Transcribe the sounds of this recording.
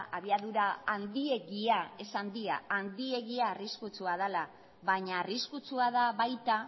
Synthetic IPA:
ʔaβ̞iaðuɾaand̪ie̞ɣiae̞sand̪ia̰ːnd̪ie̞ɣiaːriskut͡suaðala | βaɲaːriskut͡suaðaβajt̪a

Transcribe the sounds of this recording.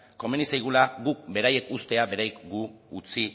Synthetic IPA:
ko̞me̞nisajɣ̞ulaɣuk̚be̞ɾaje̞kust̪e̞abe̞ɾajkɡuut͡si

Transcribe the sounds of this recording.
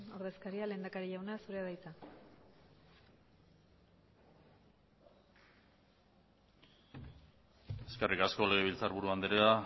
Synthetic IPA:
o̞ɾð̞e̞skaɾiale̞ːnd̪akaɾiʎawnasuɾeaðajt͡s̪a | e̞ske̞rʔikasko̞le̞ɣ̞eβ̞ilt͡saɾβuɾuand̪eɾea

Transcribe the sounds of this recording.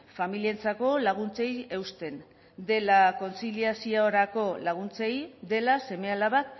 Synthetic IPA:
familient͡sako̞laɣ̞unt͡se̞je̞wst̪e̞n | d̪e̞lako̞nt͡siliasiooɾako̞laɣ̞unt͡se̞jd̪e̞lase̞me̞alaβat̪

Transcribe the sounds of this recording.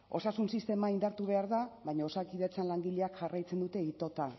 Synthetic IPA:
o̞sasunsist̪e̞maind̪aɾt̪uβ̞e̞aɾðaβajɲaosakiðet͡sanlaŋɡiʎeakʝarajt͡se̞nd̪ut̪e̞it̪o̞t̪a

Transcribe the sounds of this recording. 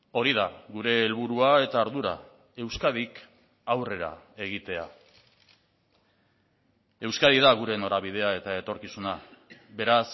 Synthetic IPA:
o̞ɾiðaɣuɾe̞ːlβuɾuae̞t̪aoɾðuɾa̰ | e̞wskað̞ik | awre̞ɾa̰e̞ɣ̞it̪e̞a | e̞wskaðiðaɣ̞uɾe̞no̞ɾaβiðe̞ae̞t̪ae̞t̪o̞ɾkisunabe̞ɾas

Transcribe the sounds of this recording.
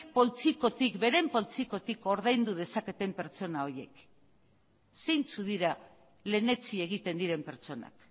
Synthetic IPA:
po̞lt͡siko̞t̪ikbe̞ɾe̞mpo̞lt͡siko̞t̪iko̞ɾðajnd̪uð̞e̞sake̞t̪e̞mpe̞ɾt͡so̞nao̞ɾje̞k | sejnt͡suðiɾa | le̞ne̞t͡sie̞ɣ̞it̪e̞nd̪iɾe̞mpe̞ɾt͡so̞na̰k

